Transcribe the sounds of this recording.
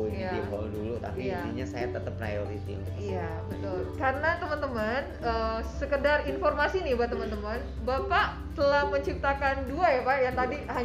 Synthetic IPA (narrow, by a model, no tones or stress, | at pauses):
jaikɔ̰ldulut̪a̰piiat̪iɲasajat̪ət̪əpːɾa̰joɾit̪ḭn | ia | bət̪ʊlkaɾənat̪əmənt̪əman | əːsəkədarinformasinibat̪əmənt̪əmən | bapaʔ | t̪əlahməɲt͡ʃip̚t̪akanduajapajaŋt̪adiha